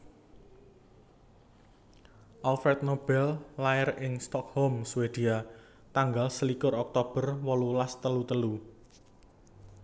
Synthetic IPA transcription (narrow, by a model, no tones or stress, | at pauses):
ʔalfɛrt̪̚nob̥ɛllaɪrɪŋst̪ɔk̚hɔmswed̪̥ia | t̪aŋɡalsəlikʊɾɔk̚t̪ob̥ə̤rwɔlulast̪əlut̪əlu